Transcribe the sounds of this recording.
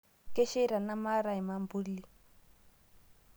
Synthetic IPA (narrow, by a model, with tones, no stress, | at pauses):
kɛ˦ʃɛ˦ɾa˨na˦ma˦ɾa˨ɦi˨ma˦mbu˦li˨